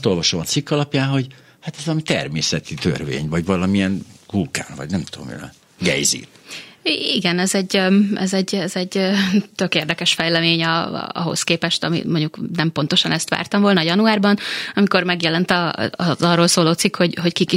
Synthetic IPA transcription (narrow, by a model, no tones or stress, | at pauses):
st̪o̞lvɒʃomɒt̪sikːɒlɒpjaːnɦo̞ɟ | hat̪ɛzvɒlɒmit̪ɛ̰rmeːsɛt̪it̪ø̰rvḛːɲvɒɟvɒlɒmiɛnkulkaːnvɒ̰ɟnɛmt̪uo̰mḭnɛ̰ | ɡɛ̰jzḭ | iɡɛnɛzɛɟɛ̰zɛɟɛzɛɟøt̪økeːrd̪ɛkɛʃfɛjlɛmeːɲɒ̰ɒ̰ɦo̞̰skeːpɛʃt̪ɒ̰mḭmoɲɟuknɛmpo̞nt̪o̞ʃɒnɛst̪ʋa̰ːrt̪ɒmvolnɒːjɒnuaːrbɒnɒmiko̞rmɛɡjɛlɛnt̪ɒ̰zɒrːoːlsoːloːt̪sikho̞ɟɦockiki